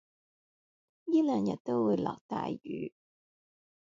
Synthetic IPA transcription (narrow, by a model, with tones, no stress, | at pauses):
jiː˥lœː˨ŋjɐ˨t̚t̪o˥wwuː˨˧jlɔ̰ː˨k̚t̪a̰ː˨jy̰ː˨˥˦